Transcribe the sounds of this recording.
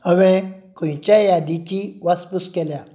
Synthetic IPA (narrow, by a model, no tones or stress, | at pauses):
əʋɛ̃kʰõjt͡ɕjajad̪it͡ɕiʋaspuskɛlja